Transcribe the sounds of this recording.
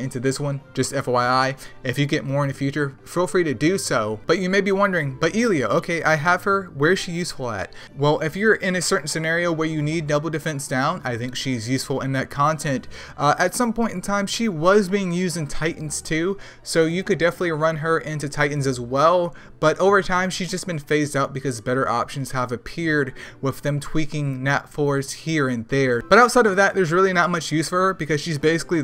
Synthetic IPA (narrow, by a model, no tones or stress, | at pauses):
ɪ̃ntʉðɪswʌ̃nd͡ʒʌstɛfoʊaaɪɨfjɨɡɛt̚mɔɹɨ̃nɨfjʉt͡ʃə˞ | filˠfɹiɾɨdɨsoʊb̥ʌt͡ʃɨmeɪbiwʌ̃ndə˞ɪ̃ŋb̥ʌɾilˠiɨʔoʊkʰeɪʔaɪəv̥ə˞wə˞ɨz̥ʃijʉsfl̩ˠɨ̰t̚ | wɛlˠʔɪfjə˞ʔɪ̃nɨsɜ˞ʔn̩sɨnɛɹioʊwə˞jɨnidⁿnobl̩ˠdɨfɛ̃nsd̥ãʊ̃na̰ɪθɪ̃ŋkʃizjʉsfl̩ˠɪ̃nðɨt̚kʰɑ̃ntʰɛ̃nt | ʔʔɨtsʌ̃mpɔ̃ɪ̃tn̩tʰãɪ̃m̥ʃiwʌzbiɪ̃ŋjʉzdɨ̃ntʰaɪʔn̩z̥tʰʉ | soʊjɨkɨdɛfənətˡliɹʌ̃nə˞ʔɪ̃ntʉtʰaɪʔn̩zɨzwɛlˠ | b̥ʌɾʔoʊvə˞tʰãɪ̃mʃizd͡ʒʌsb̥ɨ̃nfeɪzdaʊt̚b̥ɨkʌzbɛɾə̰˞ʔɑ̰pʃɨ̃n̩z̥əvɨpʰɪɹd̚wɪððɨ̃mtʰw̥ikɪ̃ŋnɛtfɔɹz̥hiɹɨ̃nðə˞b̥ʌɾaʊtsaɪɾʌvðɨt̪̚ðə˞zɹɪlˠinət̚mʌt͡ʃjʉsfə˞ə˞bɨkʌz̥ʃizbeɪsɪ̥kli